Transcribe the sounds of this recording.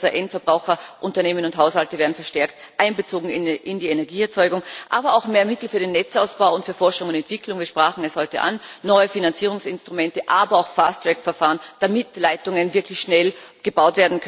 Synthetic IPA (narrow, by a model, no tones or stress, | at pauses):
zɐʔɛntfɛɐbʁaʊxɐʔʊntɐneːmənʊntɦaʊshaltəveːɐdn̩fɛɐʃtɛɐkt | ʔaɪnbət͡soːɡŋ̩ɪʔɪndiːenɛɐɡiːɛɐt͡sɔʏɡʊŋʔaːbɐaʊxmeːɐmɪtl̩fyːɐdenːɛt͡saʊsb̥aʊʊntfyːɐfɔɐʃʊŋʊntɛntv̥ɪkʰlʊŋviːɐʃpʁ̥aːxn̩ɛshɔʏtə̰ʔa̰nːɔʏəfinant͡siːʁ̞ʊŋsɪnstʁ̥ʊmɛntəʔaːbɐaʊxfaːstr̥ɛkfɛɐfaːʁənd̥amɪtlaɪtʊŋənvɪɐkʰlɪçʃnɛlɡ̥əbaʊtv̥eːɐdn̩kʰ